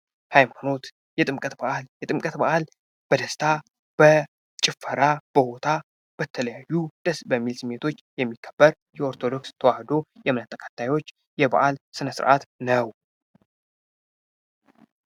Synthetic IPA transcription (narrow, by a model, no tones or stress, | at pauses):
hajmano̞t̪ | jɛt̪ʼɨmkʼət̪baʔljɛt̪ʼɨmkʼət̪baʔal | b̥əd̪əst̪ʰa | b̥ə | t͡ʃʼɪfːəɾab̥əho̞t̪ʰa | b̥ət̪ʰələjajːud̪̥əsbəmːilsɨmːet̪ʰo̞t͡ʃːjɛmːikʰːə̥bːəɾ | jɛo̞ɾt̪ʰo̞d̪o̞kst̪ʰəwahd̪o̞jɛmnat̪ʼːəkʰḁt̪ʰːajwo̞t͡ʃː | jɛba̰ʔalsɨnəsɨ̰ɾʔa̰t̪nəw